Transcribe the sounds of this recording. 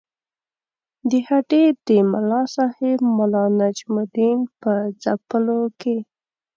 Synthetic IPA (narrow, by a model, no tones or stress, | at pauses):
d̪əhaʈed̪əmʊlɑsɑhebmʊlɑnad͡ʒmʊd̪inpəzapəloke